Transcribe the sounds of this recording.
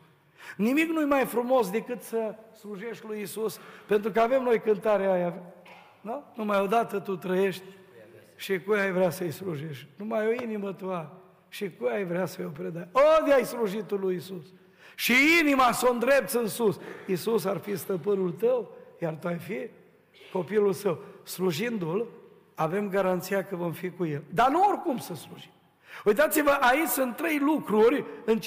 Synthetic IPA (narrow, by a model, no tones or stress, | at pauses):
nimiknujmajfɾumo̞sd̪e̞kɨt̪səsluʒe̞ʃt̪ʲlujisuspe̞nt̪ɾukəave̞mno̞jkɨnt̪aɾeajave | nanumajo̞d̪at̪ət̪ut̪ɾəjeʃt̪ʲ | ʃikujajvɾeasəjsluʒeʃt̪numajoinimət̪ua | ʃikujajvɾeasəjopɾed̪aod̪ʲajsluʒit̪ulujisus | ʃiinimasond̪ɾe̞p̚t̪sɨnsusisus̬arfist̪əpɨnult̪əwjart̪uajfi | ko̞pilulsəwsluʒind̪ul | ave̞mɡaɾant̪sijakəvo̞mfikuje̞ld̪anuorkumsəsluʒim | ujt̪at̪sivəʔait͡ʃʲsɨnt̪ːɾe̞jlukɾurʲɨnt͡ʃ